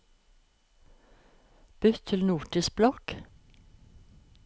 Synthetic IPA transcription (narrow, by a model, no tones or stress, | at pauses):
b̥ʏt̪ʰɪlnuːʈisblɔk